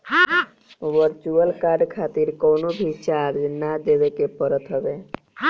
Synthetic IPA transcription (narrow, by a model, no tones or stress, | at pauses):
ʋəɾt͡ʃuəlkaɾɖkʰaːt̪iɾkɔːnobʱit͡ʃaɾd͡ʒnad̪ebekepəɾət̪ɦɔbe